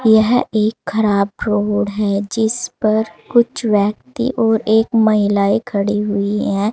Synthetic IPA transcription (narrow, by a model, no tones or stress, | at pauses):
jɐɦeːkxɐɾaːbpɾoːɽɦɛd͡ʒɪspɐɾkʊt͡ʃʰʋɛːk̚t̪ḭʔɔːɾeːkmɐɦɪlaːikʰɐɽiɦʊiɦɛː